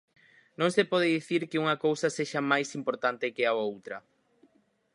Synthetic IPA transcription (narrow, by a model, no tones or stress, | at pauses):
nõŋsepɔðɪðiθiɾkɪuŋɐkowsɐseʃɐmajsimpoɾt̪ant̪ɪkɪaowt̪ɾɐ